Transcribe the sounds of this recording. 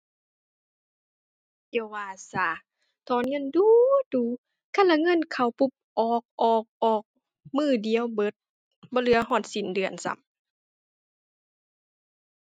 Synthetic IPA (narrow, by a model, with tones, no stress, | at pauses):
ʔe˧˩˨waː˧˩sa˧˩ | t̪ʰɔː˨˦nŋɤ˧˥˨nduː˧duː˨˧˦ | kʰa˧˥˨la˧ŋɤ˧˥˨nkʰa˧˩wpu˧˩p̚ʔɔː˧˩k̚ʔɔː˨˩k̚ʔɔː˨˩k̚ | mɯː˧˩di˨ə˨wbɤ˧˦t̪̚ | bɔː˧˦lɯ˧˦ɐ˦ɦɔː˧˩t̪̚si˨˦ndɯ˨˩ənsa̰˧˦m